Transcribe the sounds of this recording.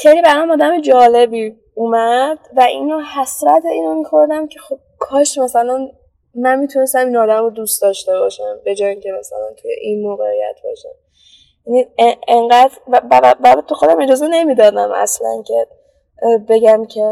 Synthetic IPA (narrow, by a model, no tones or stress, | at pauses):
xejlibæɾɒmɒːd̪æmed͡ʒɒːle̞biː | umæd̪̥væʔinɒːhæsɾæt̪ʰeiːnomiːxo̞ɾd̪æmcʰe̞xo̞b̥̚kʰɒːʃmæsælæn | mænmit̪ʰunest̪æminɒːd̪æmɾod̪ust̪ɒːʃt̪e̞bɒːʃæmbe̞d͡ʒɒːjiŋcʰe̞mæsæ̰læ̰nt̪ʰujḛʔinmoːɣeijæ̰t̪̚ʰb̥ɒ̰ʃæm | jænieŋɢæd̪ɾvæbæbæbt̪ʰuxo̞d̪æme̞d͡ʒɒːze̞ne̞mid̪ɒːd̪æ̰mæ̰slæ̰ncʰe̞ | be̞ɟæmcʰe̞